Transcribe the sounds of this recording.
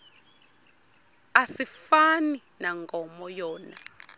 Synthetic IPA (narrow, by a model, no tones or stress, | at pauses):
asifaninaŋɡɔmɔjɔːna